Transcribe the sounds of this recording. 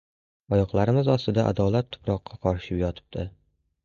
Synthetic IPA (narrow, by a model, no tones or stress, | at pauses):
ɒjɒqlˠaɾɪmɪzɒst̪ɪd̪aʔa̰d̪ɒlˠat̪ʰːʊ̥pɾɒqʰːɑqʰɒɾʃɪpjɒt̪ʰɪ̥p̚t̪ʰɪ